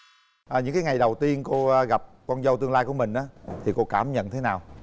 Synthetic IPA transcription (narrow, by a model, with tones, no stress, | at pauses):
ʔə˨˩ɲɨ̰˧˥ŋkaː˨˦jŋa˨˩jɗə˨˩wt̪i˧ənko˧ɣa˨˩p̚kɔ˧nzə˧wt̪ɨ˧əŋlaː˧jku˧˩əmï˨˩ŋ̟ʔaː˨˦t̪ʰi˨˩ko˧kaː˧˩mɲə̰˧˨nt̪ʰe˨˦naː˨˩w